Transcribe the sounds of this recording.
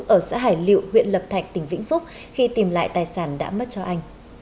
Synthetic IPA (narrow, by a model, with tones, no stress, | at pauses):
ʔəː˧˩sa̰ː˧˥ɦaː˧˩jlḭ˧˨whwḭ˧˨ənlə˨˩p̚t̪ʰa˨˩jk̟̚t̪ï˨˩ŋ̟vḭ˧˥ŋfʊ˦˥k͡p̚ | xi˧t̪i˨˩mla̰ː˧˨jt̪aː˨˩jsaː˧˩nɗa̰ː˧˥mə˦˥t̚t͡ɕɔ˧ʔa˧jŋ̟